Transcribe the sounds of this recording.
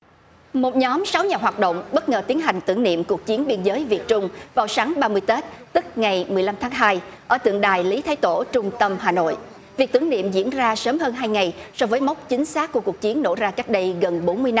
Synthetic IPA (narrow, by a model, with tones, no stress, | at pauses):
mo˨˩t̚ɲɔ˨˦msa˨˦wɲaː˨˩ɦwaː˨˩t̚ɗo̰˧˨wŋ͡mɓə˦˥t̚ŋəː˨˩t̪i˨˦ənɦa˨˩jŋ̟t̪ɨ̰˧˩əŋnḭ˧˨əmku˨˩ək̚t͡ɕi˨˦ənɓi˧ənzəː˨˦jvi˨˩ət̚t͡ɕʊ˧ŋ͡mvaː˨˩wsaː˨˦ŋɓaː˧mɨ˧əjt̪e˦˥t̚t̪ɨ˦˥k̚ŋa˨˩jmɨ˨˩əjla˧mt̪ʰaː˨˦ŋɦaː˧jʔəː˧˩t̪ɨ̰˧˨əŋɗaː˨˩jli˨˦t̪ʰaː˨˦jt̪o̰˧˩t͡ɕʊ˧ŋ͡mt̪ə˧mhaː˨˩no̰˧˨j | vi˨˩k̚t̪ɨ˧˩ənḭ˧˨əmzḭ˧˥ənzaː˧səː˨˦mɦəː˧nɦaː˧jŋa˨˩jsɔ˧vəː˨˦jma˦˥wk͡p̚t͡ɕï˨˦ŋ̟saː˦˥k̚kːu˧˩əku˨˩ək̚t͡ɕi˨˦ənːo̰˧˥zaː˧ka˦˥k̚ɗə˧jɣə˨˩nɓo˨˦nmɨ˧əjn˧